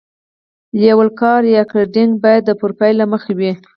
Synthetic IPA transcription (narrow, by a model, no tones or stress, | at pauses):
ljawəlkɑɾjɑklaɖɪŋɡbɑjad̪̚ːəpʊɾpajlaməxawi